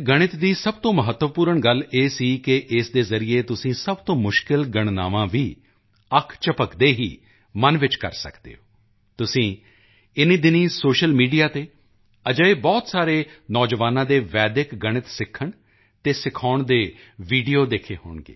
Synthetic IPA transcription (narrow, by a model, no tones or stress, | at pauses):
ɡəɽ̃ɪt̪d̪iːsəb̚t̪õːməɦət̪ːʋəpuːɾəɳɡəleːsiːkɪʔɪsd̪eːzəɾijeːt̪ʊsĩːsəbt̪õːmʊʃkɪlɡəɽ̃na̰ːʋãːʋiː | əkʰt͡ʃəpəkd̪eːɦiː | mənʋɪt͡ʃkə̰ɾsə̰kd̪ḛːoː | t̪ʊsĩː | ɪniːd̪ɪniːsoːʃəlmiːɖijaːt̪eː | əd͡ʒəebɔːt̪saːɾeːnɔːd͡ʒʋaːnãːd̪eːʋɛːd̪ɪkɡəɽ̃ɪt̪sɪkʰːəɳ | t̪eːsɪkʰaːɳd̪eː | ʋiːɖijoːd̪eːkʰeːɦo̰ːɳɡḛː